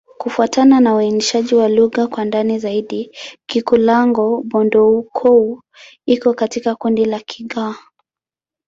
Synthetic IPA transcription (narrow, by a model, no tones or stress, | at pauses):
kufuatananauiniʃaʄiwaluɣakwandanizaiɗikikulaŋɡɔɓɔndɔukʰɔu | ikɔkatikakundilakʰiɠaː